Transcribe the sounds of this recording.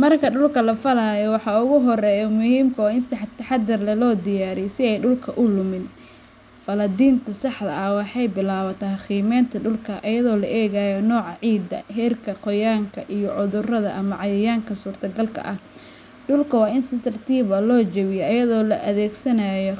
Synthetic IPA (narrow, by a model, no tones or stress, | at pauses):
mɐrkʰɐɖʊlkʰɐlɐfɐlaːjɔwɑħɑʊɣʊɦɔrɛːjɔmʊhiːmkʰɐwaːɪnsħt̪ʰɐħɑd̪ɐrlɐlɔːd̪ɪjaːɾɛjsɪɛjɖʊlkʰɐʔʊlʊmɪn | fɐlɐd̪iːnt̪ʰɐsɑħd̪ɐ̰ʔɐwɑħɑjbɪlaːβɐt̪ʰɐxiːmɛːnt̪ʰɐɖʊlkʰɐʔɐjɐðɔːlɐʔɛːɣaːjɔnɔːʕɑʕiːd̪ɐ̰hɛːrkʰɐqɔjaːŋkʰɐʔijɔʕʊðʊrɐðɐ̰ʔɐmɐʕɑjɐjaːŋkʰɐsuːrt̪ʰɐɡɐlkʰɐ̰ʔɐh | ɖʊlkʰɐwɑːɪnsɪt̪ʰɐrt̪ʰiːβɐlɔːt͡ʃɛβɪjɔʔɐjɐðɔːlɐʔɐðɛːɡsɐnɐjɔ